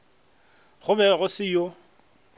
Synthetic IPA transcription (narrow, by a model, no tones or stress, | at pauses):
ɣʊbɛɣʊsɪjo